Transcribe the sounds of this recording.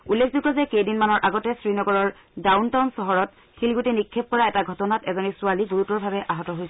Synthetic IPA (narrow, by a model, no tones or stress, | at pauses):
ulːekʰzukɔzɛkejdinmanɔɹʔaɡɔtɛsɹinɔɡɔɹɔɹ | dawntawnsɔɦɔɹɔt̚ | kʰilɡutenikʰːep̚kɔɹaɛtaɡʱɔtɔnatɛzɔnisʊaliɡuɹutɔɹbʱabɛʔaɦɔtɔɦojsɛ